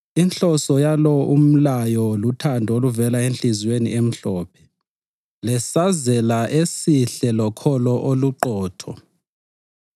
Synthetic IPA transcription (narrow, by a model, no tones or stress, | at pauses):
int͡ɬɔsɔjalɔʔum̩lajɔlutʰandʱoluvɛlaenɬizwenḭʔem̩ɬɔːpʰɛ̥ | lɛsazɛlaʔesiɬɛlɔkʰɔlɔʔoluǃɔːtʰɔ